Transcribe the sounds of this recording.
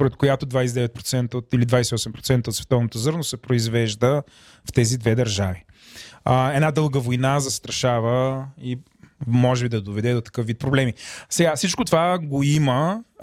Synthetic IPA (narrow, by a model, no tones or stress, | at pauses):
poɾɛt̪̚kojat̪od̪vajsɛd̪ɛvɛt̪̚pɾo̥t̪sɛnt̪əot̪ilid̪vajsɛiɔsɛmpɾot̪sɛnt̪əot̪svɛt̪ɔvnot̪ozɤɾnosɛpɾoizvɛʒd̪ə | ft̪ɛzid̪vɛd̪ɐɾʒavi | əɛnad̪ɤlˠɡəvojnazɐst̪ɾɐʃavəi | mɔʒɛbid̪ɐd̪ovɛd̪ɛd̪ot̪ɐ̥kɤfvit̪̚pɾoblɛmisɛɡafsit͡ʃkot̪ovaɡoimə